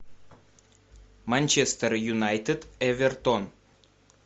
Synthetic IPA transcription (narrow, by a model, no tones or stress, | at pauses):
manʲt͡ʃest̪ərjunajt̪ed̪evert̪on